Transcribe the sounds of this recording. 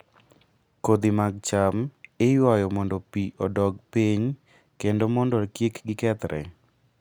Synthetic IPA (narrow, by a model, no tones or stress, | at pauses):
kod̪imaɡ̚t͡ʃamɪjwajɔmɔndɔpiʔɔdɔɡpiɲ | kendomɔndɔkjekɡɪkɛt̪ɾʔɛ̰